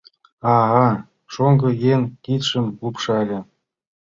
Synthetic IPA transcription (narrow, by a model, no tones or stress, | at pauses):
ɑʁɑ | ʂoŋɡɤ̆jenkʲit̪ʲʂɘ̆mkupʂɑlʲɘ̆